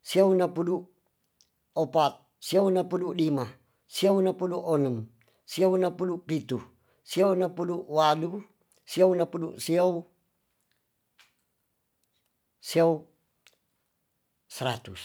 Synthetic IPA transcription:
siaunapudu | ɔpat̪̚ | siaunapudulima | siaunapuduʔɔnəm | siaunapudupit̪u | siaunapuduʔwalu | siaunapudṵʔsiau | siau | səɾat̪us

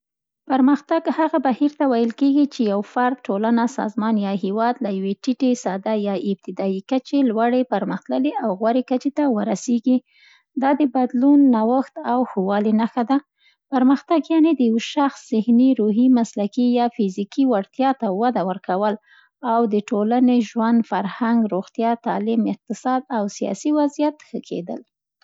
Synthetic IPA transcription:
paɾməxt̪aɡhaɣabahiɾt̪awajəlkeɡit͡ʃejawfaɾd̪̚ʈolanasɑ̰zmɑnjɑɦewɑd̪lajaweʈiʈesɑd̪ajɑɪb̚t̪ɪd̪ɑikət͡ʃelwaɽepaɾməxt̪ləleʔawɣwaɾekət͡ʃet̪awəɾaseɡi | d̪ɑd̪əbad̪lunːawaxt̪awxuwɑlinaxad̪a | paɾməxt̪aɡjɑned̪əjawʃaxsz̥ɪhniɾoɦimaslakijɑfɪzikiwaɽt̪jɑt̪awad̪awəɾkawəl | awd̪əʈolaneʒwand̪faɾhaŋɡɾoɣt̪jɑt̪ɑlɪmɪq̚t̪ɪsɑd̪awsijɑ̰siwazijat̪xəkʰḛd̪ə̰l

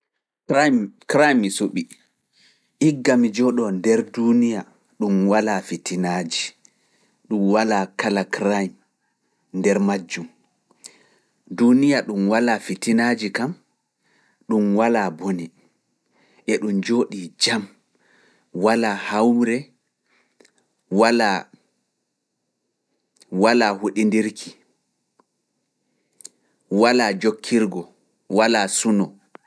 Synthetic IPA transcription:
kɾajmːisoɓi | ʔiɡːamid͡ʒɔɗɔndɛɾdunija | ɗumwalafitʰinaːd͡ʒi | ɗumwalakalakɾajm | ndɛɾmad͡ʒːum | dunijaɗumwalafitinaːd͡ʒikam | ɗumwalaboni | ʔɛɗumd͡ʒoːɗid͡ʒam | walahawɾɛ | wala | walaːhuɗindiɾkʰi | walad͡ʒokʰːiɾɡɔ | walasunɔ

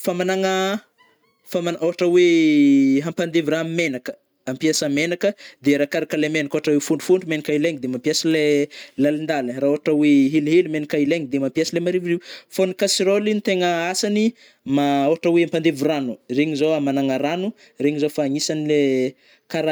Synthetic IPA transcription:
famanaŋə | famanaoɦaʈ͡ʂəwe | ɦampand̪eviɾanmenakə̥ | ampiasamenakəd̪eɾakaɾakalemenakoaʈ͡ʂawewfuɳɖ͡ʐu̥fuɳɖ͡ʐumenikaileŋid̪emampiasilelalind̪aləraːoɦaʈ͡ʂaweɦiliɦilimenikaileŋid̪emampiaslemaɾiviriwfonikasiɾolinit̪eŋəasani | maoɦaʈ͡ʂaweampand̪evuranureɲizowamanaŋaɾanu | reɲizofaːŋisanile | kaɾa

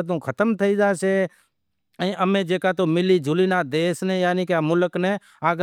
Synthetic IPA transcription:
t̪̬ũːkʰət̪əmt̪ʰəid͡ʒaːseː | ə̃ʔəmẽːd͡ʒeːkaːt̪omɪliːd͡ʒʱʊliːnaːd̪eːsnẽːjaːniːkemʊləknẽ | aːɡ

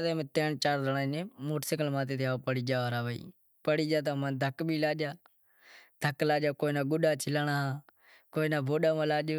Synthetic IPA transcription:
t̪eːmẽːt̪eːnt͡ʃaːɾɾəɳaːineːmoːʈsɪkəlmãːt̪eːt̪eaːpəɽiːd͡ʒaːʋɾaːʋəːḭː | pəɽiːd͡ʒaːt̪̬ãmãːnd̪ʱəkbʱiːlaːd͡ʒaː | d̪ʱəklaːd͡ʒaːkoːinaːɡʊɗaːt͡ʃʰɪlaːɳaː | koːinaːbʱoːɗaːmãːlaːd͡ʒe

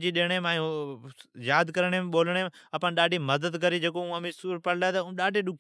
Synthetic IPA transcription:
d͡ʒiːɗeːɽ̃emãː | jaːd̪kəɾəɳ̃eɓoːləɽ̃eəpãnɗaːɖʱiːməd̪əd̪kəɾiːd͡ʒeːkoũːəmĩsuːɾpəɽlaːt̪ːɗaːɖʱeːɗʊk

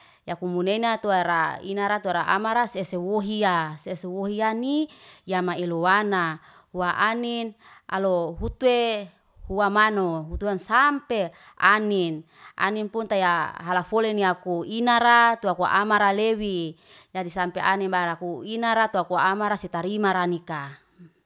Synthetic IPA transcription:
jakumuneinat̪uɾa̰ḭnaɾat̪uaɾaʔa̰maɾasesewoɦiasesewoɦianijamailowana | huaʔanina̰loɦut̪ue | huamanoɦut̪uansampe | a̰nin | a̰ninpunt̪ajaɦalafoleniakuinaɾat̪uakua̰ʔamaɾalewi | d͡ʒadisampeʔaninbaɾakuinaɾat̪uakuamaɾasit̪aɾimaɾanika

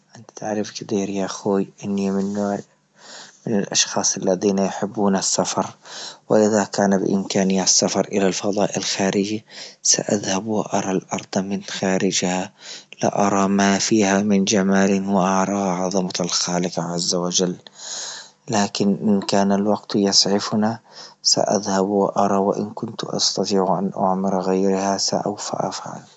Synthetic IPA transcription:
ʔant̪t̪ɪʕɾɪfkɪt̪iːɾjaʔxoːjʔɪnːimɪn | mɪnɪlʔɑ̰ʃxɑːsˤalːaðiːnajħɪbːuːnasːafɑɾˤwɪ̰ʔɪðakaːnabɪ̰ʔɪ̰mkaːnɪjːasːafɑɾˤʔɪlalfɑðˤɑːʔɪlxaːɾʔɪd͡ʒisa̰ʔa̰ðhabwɪʔɑɾˤɑlʔɑɾˤd̪̥ˤmɪnxaːɾɪd͡ʒhalɪ̰ʔɑɾˤɑmafiːhamɪnd͡ʒamaːlɪnwɪʔɑʕɾˤɑʕɑðˤɑmaalxaːlɪqʕazːawad͡ʒalː | aːkɪnʔɪnkaːnalwaɡt̪jɑsˤʕɪfnasa̰ʔa̰ðhabwɪ̰ʔɑɾˤɑwɪ̰ʔɪ̰nkʊnt̪ʔɑ̰st̪ɑt̪ˤiːʕʔanʔa̰ʕmɪɾˤɣajɾhasa̰ʔa̰wfa̰ʔa̰fʕa̰l

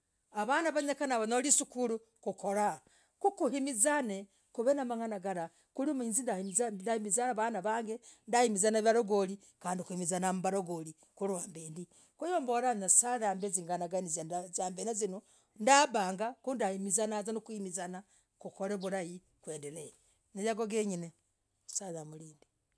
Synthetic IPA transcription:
aβanaβaɲekanaβanolisukuɾu | kukoɾa | kukuhimizane | kuβenamaŋanaɡaɾa | kulimiːnzindadahimizaaβanaβaŋɡendahimizanaβjaɾoɡoli | kaːndikuhimizanambaɾoɡoli | kuɾwambeːndi | kujoːmboɾannasaðaːmbeziŋɡanaɡanizazaːmbenazino | ndabaːŋɡakundahimizanazanukuhimizana | kukoɾeβuɾaji | kweːndele | nejaɡoɡeɲine | saðamuliːndi

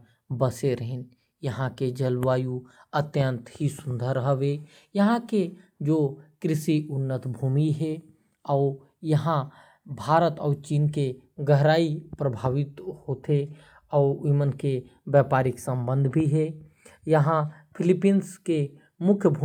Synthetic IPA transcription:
bəseɾəɦɪn | jɐɦãked͡ʒəlʋaːjuət̪jə̃nt̪ɦisʊnd̪ʱəɾəɦəʋe | jɐɦãked͡ʒoːkɾɪʃiʊnːət̪bʱuːmiɦɛ | ɔːɾ | jɐɦã | bʱaːɾət̪ɔːɾt͡ʃiːnkeɡəɦɾaːipɾəbʱaːʋɪt̪hoːt̪e | ɔːɾimənke | ʋjaːpaːɾɪksə̃mbə̃nd̪ʱbʱiɦɛ | jɐɦãpʰɪlɪpinske | mʊkʰjəbʱu

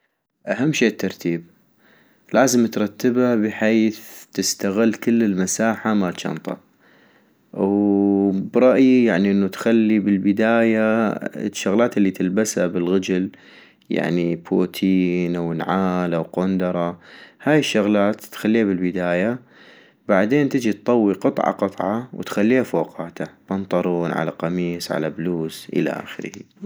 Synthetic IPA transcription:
ʔaɦamːʃeːt̪ːɑɾˤt̪iːb̚ | laːzɪmt̪ɾˤɑt̪ːɪbabɪħeːθt̪ɪst̪aɣɪlːkɪlːɪlmasaːħamat̪ʃɑ̰nt̪ˤɑ̰ | w | bɾˤɑʔjjaʕniʔɪnːut̪xalːibɪlbɪd̪aːja̰ | ʃːʊɣlaːt̪ɪlːit̪ɪlbashabɪlɣad͡ʒɪl | ja̰ʕnipʰoːt̪ʰiːnawnʕaːlawqond̪ɑɾˤɑhaːjɪʃːʊɣlaːt̪ːxalːiːhabɪlbɪd̪aːja | baʕd̪eːnt̪ɪd͡ʒit̪̚t̪ˤːɑwːiqɨt̪ˤʕɑ̰qɨt̪ˤʕɑwt̪xalːiːhafoqɑːt̪ʰabɑnt̪ˤɑɾˤuːnʕa̰la̰qɑmiːsˤʕa̰labluːsʔə̰la̰ʔa̰ːxɪɾhḭ

